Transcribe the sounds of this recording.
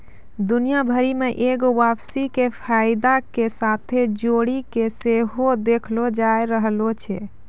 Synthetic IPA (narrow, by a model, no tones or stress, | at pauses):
d̪unijabʱəɾimeʔeɡoʋapsikepʰajd̪akesat̪ʰed͡ʒoɽikeseɦod̪ekʰlod͡ʒaeɾəɦlot͡ʃʰɛ